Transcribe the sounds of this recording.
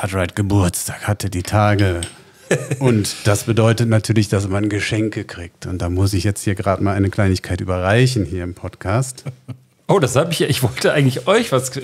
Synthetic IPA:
ʔatʁaɪtɡ̥əbʊɐt͡stʰḁːkhatʰədiːtʰaːɡə | ʔʊntd̥asb̥ədɔʏtətnatʰyːɐlɪçd̥as̬manɡəʃɛŋkəkʁ̥iːk̚tʊnt̚d̥aːmʊs̬ɪçjɛt͡sthiːɐɡʁaːtmaːlʔaɪnəkl̥aɪnɪçkʰaɪty̰ːbɐʁaɪçn̩hiːɐɪmpʰɔtkʰaːst | ʔoːdashaːbəɪçjaːɪçv̥ɔltəʔaɪɡŋ̩tlɪçʔɔʏçv̥as

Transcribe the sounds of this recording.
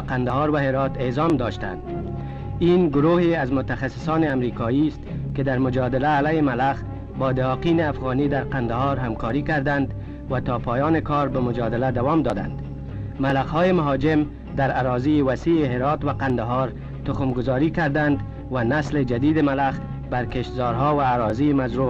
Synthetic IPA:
qand̪aɦɑɾwaɦɪɾɔt̪ezɒmd̪ɒʃt̪a̰nd̪ | inɡʊɾoheazmʊt̪axasːɪ̥sɔnɪamɾikɒjist̪kɪd̪aɾmʊd͡ʒɒd̪ɪlaːlajɪmalax | bɒːd̪ɪhɒqinɪafɣɑnid̪aɾqand̪aɦɔɾɦamkɔɾikaɾd̪and̪ | wat̪ɒpɒjɒːnɪkɔɾbamʊd͡ʒɒd̪ɪlad̪awɒmd̪ɒd̪a̰nd̪ | malaɣhɔːjemaɦɒd͡ʒɪm | d̪aɾaɾɔziːwasiɪɦɪɾɑt̪waqand̪aɦɑɾ | t̪ʊxʊmɡʊzɒɾiːkaɾd̪and̪ | wanasled͡ʒad̪iːd̪ɪmalaɣ | baɾkeʃt̪zɒɾɦɔwaːɾɔzimazɾu

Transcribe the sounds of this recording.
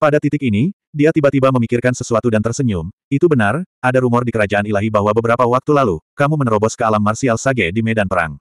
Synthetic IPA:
padat̪it̪ɪkini | diat̪ibat̪ibaməmikɪrkansəsuat̪udant̪ərsəɲʊmit̪ubənaradaɾumɔrdikəɾad͡ʒaʔanilaɦibaɦwabəbəɾapawak̚t̪ulalukamumənɾɔbɔskəalamːarsialsaɡɛdimɛdanpəɾa̰ŋ

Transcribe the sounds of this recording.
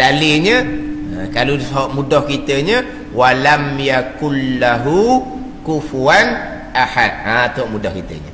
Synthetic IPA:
daliɲə | əkalusɦɔʔmudɔhkit̪əɲə̃ | walamjakunlaɦu | kufuan | ʔaħad̪̚at̪əɦɔʔmudɔhkit̪ə̰ɲə̰

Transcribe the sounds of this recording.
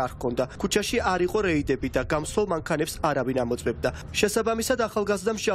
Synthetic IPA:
aɾkʰɔnd̪akʰut͡ʃʰaʃiaɾiqʼɔɾɛid̪ɛbid̪aɡamswɛlˠmaŋkʰanɛpsaɾavinamɔt̪sʼwɛb̚d̪a | ʃɛsabamisad̪aχalˠɡazd̪amʃa

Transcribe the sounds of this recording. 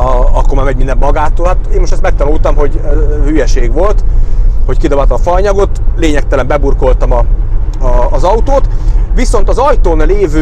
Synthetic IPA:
ɒkːomaːmɛɟmind̪ɛmːɒɡaːt̪ːoːlhat̪eːmːoʃtɛst̪mɛk̚t̪ɒnuːlt̪ɒmɦo̞ɟhyjɛʃeːɡʋo̞lt̪ho̞ckid̪obaːt̪ɒmfɒɲɒɡo̞t̪leːɲɛk̚t̪ɛlɛmbɛburko̞lt̪ɒmɒː | zɒut̪oːt̪ʋiso̞nt̪ɒzɒjt̪oːnleːvøː

